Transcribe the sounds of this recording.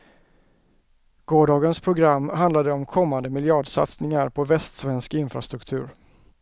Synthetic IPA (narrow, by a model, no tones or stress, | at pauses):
ɡ̥oːɖɑːɡənspʰɾʊɡɾamːɦand̪lad̪əɔmkʰɔmːand̪əmɪljɑːɖʂa̰t̪snɪŋaɾpʰɔvɛst̪svɛnskɪnfɾast̪ɾɵkt̪ʰʉ̟ːɾ